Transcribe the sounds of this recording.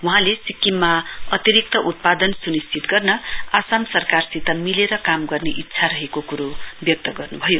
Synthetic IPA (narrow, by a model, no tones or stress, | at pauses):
wuɦãlesikːimːaʌt̪iɾik̚t̪ʌʔut̪̚pad̪ʌnsunist͡sit̪ɡʌrnʌasamsʌrkarsit̪ʌmileɾʌkamɡʌrneʔitːsʰaɾʌɦekokuɾobjʌk̚t̪ʌɡʌrnubʱʌjo